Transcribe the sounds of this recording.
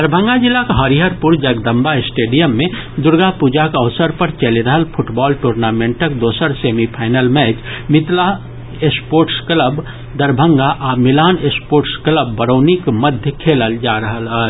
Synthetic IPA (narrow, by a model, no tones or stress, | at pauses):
d̪əɾbʱə̃ŋɡad͡ʒɪlːakɦəɾiɦəɾpuɾd͡ʒəɡd̪əmbaɪsʈeːɖijəmːẽd̪ʊɾɡapud͡ʒakəʋʊsəɾpəɾt͡ʃəliɾəɦəlpʰʊʈbɔːlʈoːɾnamẽɳʈəkd̪oːsəɾsemipʰaːɪnəlmɛt͡ʃmɪt̪la | espoːɾʈskləb | d̪əɾbʱə̃ŋɡaʔamɪlaːnespoːɾʈskləbːəɾəːnikməd̪ʱjəkʰeːləld͡ʒaɾəɦəlɦəl